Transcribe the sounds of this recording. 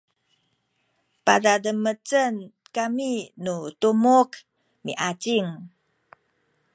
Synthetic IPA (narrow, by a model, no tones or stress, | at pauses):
padadəmət͡sən | kaminutumuk | mḭʔat͡siŋ